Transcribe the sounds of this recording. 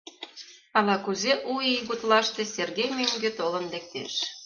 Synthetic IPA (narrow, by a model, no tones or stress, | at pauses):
ɑlɑkuzeʔuiiɣut̪lɑʃt̪ĕserɣejmøŋɡet̪olə̆nlek̚t̪ḛʃ